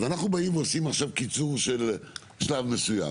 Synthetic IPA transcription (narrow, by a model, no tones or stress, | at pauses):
vanaχnubaimveosimaχʃavkit͡suʁʃe̞l | ʃlavme̞suja̰